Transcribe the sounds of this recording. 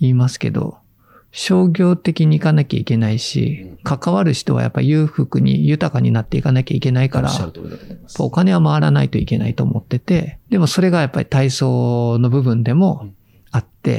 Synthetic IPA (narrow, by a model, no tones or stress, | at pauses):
iːmasɨ̥ke̞̰d̪o̞̰ | ɕo̞ːɡʲo̞ːt̪e̞kʲiɲ̟iːkanakʲa̰ike̞naiɕḭkʰakaβaɾɯ̟ɕi̥t̪o̞β̞a̰ja̰pːa̰ijɯ̟ːɸɯkɯ̟ɲ̟ḭjɯ̟t̪akaɲ̟inat̪ːe̞ikanakʲaike̞naikaɾa̰japːaokane̞βamaβaɾana̰it̪o̞ike̞na̰it̪o̞̰ːmot̪ːe̞t̪e̞d̪̥e̞mo̞so̞ɾe̞ɡajapːaɾʲi̥t̪aiso̞ːno̞bɯ̟bɯ̟̃nd̪e̞mo̞ | at̪ːe̞̰